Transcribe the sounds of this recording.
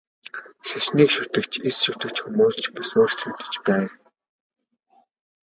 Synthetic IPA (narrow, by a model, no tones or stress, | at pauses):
ʃaʃniːkʃʊt̪ɘ̆kt͡ɕʰesʃʊt̪ɘ̆kt͡ɕxumuːst͡ɕpʊsʊːr̥t̪ʰɵ̆t̪ɵ̥̆t͡ɕpæː